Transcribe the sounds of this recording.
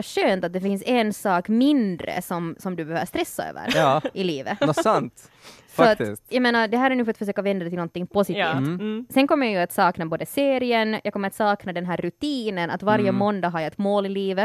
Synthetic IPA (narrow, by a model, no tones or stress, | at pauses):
aɕøːnt̪at̪d̪ɛfɪnsɛnsɑːkmɪnd̪ɾə̰sɔmsɔmd̪ʉbɛhøːvəst̪ɾɛsːa̰ø̰ːʋə̰ɾɑʔɪliːvəsant̪ | fɔat̪ɪsjameːnaɾd̪ɛɦæːɾæɾnʉːfɾat̪fœʂ̬øːkavɛnd̪ad̪ɛt̪ɪlnɔnt̪ːɪŋpɔsɪːsɛnkʰɔmːəjajʉat̪sɑːknaboːd̪əseːɾɪənjʔɑːkɔmːəɾat̪sɑːknad̪ɛnɦæːɾːʉt̪iːnəna̰t̪vaɾjəmɔnd̪ɑɦaɾjaɛt̪moːlɪliːvə